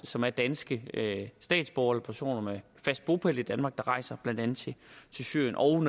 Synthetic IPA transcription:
sɒ̽mæɐd̥ænsɡ̥əsd̥ɛ̰ːd̥sb̥ɒːɐelɒpʰæɐso̝̰ːnɐme | fæsd̥̚b̥o̝pʰelid̥ænmɑ̈ɡ̥̚d̥ɑ̈ʁɑ̈ɪ̰sɐb̥læn̰d̥ænð̩ˠt͡sʰe̝t͡sʰe̝lsy̰ɐ̰jənʔɒ̽ʊn

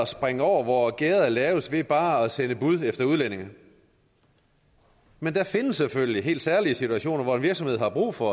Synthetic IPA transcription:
ɒsb̥ʁeŋəɒ̰ʊ̰ɐʋɒɡ̥eːð̩ˠælɛːʊsʋe̝b̥ɑ̈ːæsenəb̥uð̞̰ˠefd̥ɐuð̞ˠlen̰e̝ŋɐ | mend̥ɑfe̝nəsːeføljliɦe̝̰ːld̥sæɐliəsit͡sʰuæɕo̝̰ːnɐʋɒe̝nʋiɐɡ̥sɒ̽mhe̝ð̰ˠhɑ̈b̥ʁṵːfɒ̽

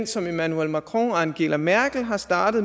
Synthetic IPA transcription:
n̰sɒ̽me̝mænuelmækʰʁoænɡ̥e̝læmæɐ̰ɡ̥l̩ɦɑ̈sd̥ɑ̈ːd̥ð̩ˠ

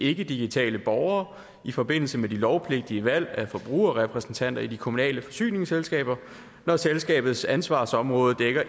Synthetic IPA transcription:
e̝ɡ̥əd̥iɡ̥it͡sʰɛ̰ːləb̥ɒʊɐː | ifɒ̽b̥e̝n̰l̩səmed̥ilɒʊpʰle̝ɡ̥̚d̥iəʋæl̰æfɒ̽b̥ʁṵːɐɒʁɛpʰʁɛsn̩t͡sʰæn̰d̥ɐid̥ikʰo̝munɛ̰ːləfɒ̽sy̰ːne̝ŋselsɡ̥ɛ̰ːb̥ɐ | nɒselsɡ̥ɛ̰ːb̥ð̩ˠsænsʋɑ̈sɒ̽mʁɔ̽ːð̞̩ˠd̥eɡ̥ɐ

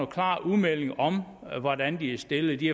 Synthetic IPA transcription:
okʰlɑ̰̈ːuðˠmel̰eŋɒ̽m | ʋɒd̥ænd̥iæsd̥e̝lð̩ˠd̥i

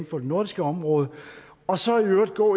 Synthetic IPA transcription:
nfɒ̽d̥e̝no̝ɐ̰d̥isɡ̥əɒ̽mʁɔ̽ːðˠə | ɒ̽sɒ̽æiøɐd̥ɡ̥ɔ̰ː

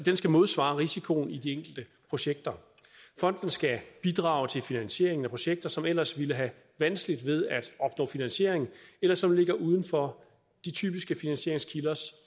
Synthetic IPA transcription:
d̥ensɡ̥æmo̝ð̞ˠsʋɑ̈ːʁisikʰo̝̰ːnid̥ieŋ̰ɡ̥l̩d̥əpʰʁo̝ɕeɡ̥̚d̥ɐ | fɒ̽n̰d̥n̩sɡ̥æb̥id̥ʁɑ̈ːʊt͡sʰe̝lfinænɕe̝ɐe̝ŋn̩æpʰʁo̝ɕeɡ̥̚d̥ɐsɒ̽mel̰ɐsʋiləɦæ | ʋænsɡ̥lid̥ʋe̝ð̞ˠæd̥ɒ̽b̥nɔ̰̽ːfinænɕe̝ɐ̰e̝ŋ̩elɐsɒ̽mle̝ɡ̥ɐʔuːð̞ˠn̩fɒ̽ | d̥it͡sʰy̰ːb̥isɡ̥əfinænɕe̝ɐ̰eŋskʰilɐs

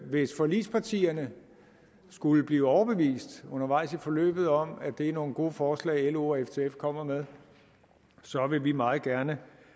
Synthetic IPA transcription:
ʋe̝sfɒ̽lḭːspʰɑ̈t͡sʰḭːɐnə | sɡ̥uləb̥liːɒʊɐb̥e̝ʋḭːsd̥ɔ̽nɐʋɑ̈ɪ̰sifɒ̽lø̰ːb̥ð̞̩ˠɒ̽m̰æd̥e̝æɐno̝ːn̩ɡ̥o̝ːfɒːslɛ̰ɪelo̝eft͡sʰe̝efkʰɒ̽m̰ɐmeðˠ | sɒ̽ʋe̝ʋimɑ̈ːð̩ˠɡ̥æɐnə

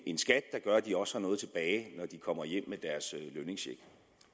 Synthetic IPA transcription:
e̝nsɡ̥æd̥ːɑ̈ɡ̥ɶɐd̥iɒ̽shɑ̈nɔ̽ːð̞̩ˠt͡sʰeb̥ɛːɪnɒd̥ikʰɒ̽m̰ɐjem̰med̥æɐsløne̝ŋsɕeɡ̥

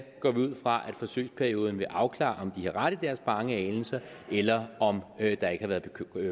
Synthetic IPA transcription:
ɡ̥ɒ̰ːʋiuð̞̰ˠfʁɑ̈ʔæd̥fɒ̽sø̰ːspʰæɐio̝ːð̞ˠn̩ʋe̝ʔɑ̈ʊkʰlɑ̰̈ːʔɒ̽md̥ihɑ̈ʁad̥id̥æɐsb̥ɑ̈ŋəɛːln̩sɐ | ʔelɐɒ̽md̥ɑ̈e̝ɡ̥əhɑ̈ʋæɐðˠb̥ekʰ

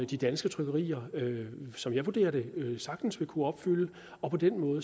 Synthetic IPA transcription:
d̥id̥ænsɡ̥ət͡sʰʁœɡ̥ɐʁḭːɐøsɒ̽mjɑ̈ɪʋud̥e̝̰ːɐɾ̥e̝øsɑ̈ɡ̥̚d̥n̩sʋe̝kʰuɒ̽b̥fyl̰ə | ɒ̽pʰɒ̽d̥enmɔ̽ːð̩ˠə

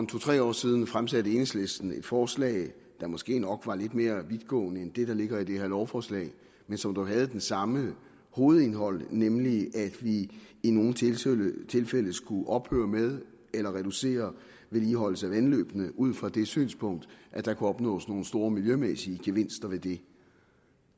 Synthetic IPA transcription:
ɒmt͡sʰot͡sʰʁɛ̰ːɒ̰ːsið̞ˠn̩fʁamsæɾ̥əe̝neŋsle̝sd̥n̩e̝d̥fɒːslɛ̰ɪ | d̥ɑ̈mɒ̽sɡ̥e̝̰ːnɒ̽ɡ̥ʋɑ̈le̝d̥me̝ːɐʋiðˠɡ̥ɔ̰̽ːnəend̥e̝d̥ɑ̈le̝ɡ̥ɐid̥ehæɐlɒʊfɒːslɛ̰ɪ | mensɒ̽md̥uɦæð̞̩ˠd̥ensɑ̈mə | ho̝ːð̞̩ˠe̝nɦɒ̽l̰nemliʔæd̥ʋiːno̝ːn̩t͡sʰt͡sʰe̝lfel̰ð̩ˠsɡ̥uʔɒ̽b̥hø̰ːɐmeð̞ˠ | elɐʁɛd̥use̝̰ːɐ | ʋe̝liːɦɒ̽l̰səæʋænlø̰ːb̥nəʔuð̞̰ˠn̩fɒd̥e̝sy̰ːnspʰɔ̽ŋ̰d̥ʔæd̥ɑ̈kʰuɒ̽b̥nɔ̰̽ːsno̝ːn̩sd̥o̝ːɐmiljømesiəɡ̥e̝ʋe̝n̰sd̥ɐʋe̝d̥e̝

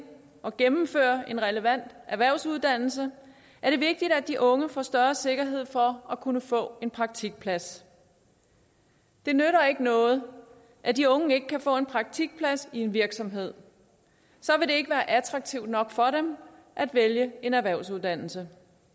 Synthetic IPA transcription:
ɒ̽ɡ̥emm̩fø̰ːɐe̝nʁɛləʋæn̰d̥æʋæɐʊsuð̞ˠd̥æn̰l̩sə | æɐɾ̥e̝ʋe̝ɡ̥̚d̥id̥æd̥iʔɔ̽ŋəfɒ̰ːsd̥ɶɐse̝ɡ̥ɐɦe̝ð̞̰ˠfɒ̽ækʰunəfɔ̰̽ːe̝npʰʁɑ̈ɡ̥̚t͡sʰiɡ̥̚pʰlæs | d̥e̝nøɾɐe̝ɡ̥ənɔ̽ːð̞̩ˠ | ʔæd̥iɔ̽ŋəe̝ɡ̥əkʰæfɔ̰̽ːe̝npʰʁɑ̈ɡ̥̚t͡sʰiɡ̥̚pʰlæsie̝nʋiɐɡ̥sɒ̽mɦe̝ð̞̰ˠ | sɒ̽ʋe̝ɾ̥e̝e̝ɡ̥əʋæːɐʔæt͡sʰʁɑ̈ɡ̥̚t͡sʰiʊd̥nɒ̽ɡ̥fɒ̽ɾem | ʔæd̥ʋeljəe̝næɐʋæɐʊsuð̞ˠd̥æn̰l̩sə

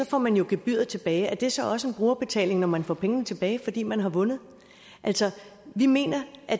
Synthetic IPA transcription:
sɒ̽fɒ̰mænjo̝ɡ̥eb̥yð̰ˠɐt͡sʰe̝b̥ɛːɪæɐd̥e̝sɒ̽ɒ̽səe̝nb̥ʁuːɐb̥e̝t͡sʰɛ̰ːle̝ŋnɒmænfɒ̰pʰeŋnət͡sʰe̝b̥ɛːɪfɒ̽d̥ḭːmænɦɑ̈ʋɔ̽nð̞̩ˠ | ʔæl̰sɒʋime̝̰ːnɐʔæ

